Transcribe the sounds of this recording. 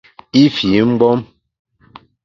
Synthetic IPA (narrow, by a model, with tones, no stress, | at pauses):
i˦fi˨˦m̩˦bɔ˦m